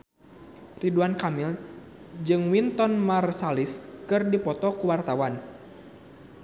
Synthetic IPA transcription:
riduankamil | d͡ʒɨŋwint̪ɔnmarsaliskɨrdipɔt̪ɔkuwart̪awan

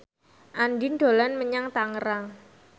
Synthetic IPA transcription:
ʔanɖɪnɖ̪̥o̤lanməɲaŋt̪aŋəɾaŋ

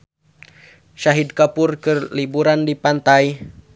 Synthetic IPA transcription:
ʃaɦid̚kapʊrkəlibuɾandipant̪aj

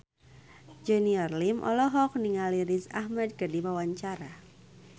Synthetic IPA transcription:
d͡ʒɛniɔrlimʔɔ̰lɔɦɔk̚niŋaliɾisa̰hmɛd̪̚kərdimawaɲt͡ʃaɾa

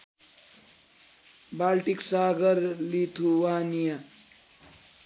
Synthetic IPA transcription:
balʈiksaɡʌɾlit̪ʰuwanija

